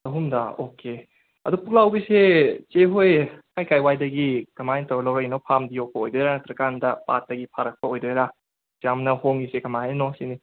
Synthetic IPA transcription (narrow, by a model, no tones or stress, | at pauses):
ɐɦumdɐokʰe | ɐ̰dupuk̚lawbiset͡ʃeɦojkajkajwajdɐɡikɐmajntɐwɾɐlɐwɾɐinopʰamdijok̚pɐojdojɾanɐtɾɐkandɐpa̰t̚ːɐɡipʰaɾɐk̚pɐojdojɾa | d͡ʒamnɐhoŋisekɐmannɔsini